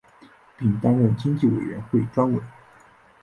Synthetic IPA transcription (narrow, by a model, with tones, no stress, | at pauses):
pi˥˩ŋt̪a˥nɻə˥˩nt͡ɕi˥ŋt͡ɕi˥˩we˨˩ɪɥɛ̰˧˥nxwe˥˩ɪʈ͡ʂwa˥nwe˨˩˦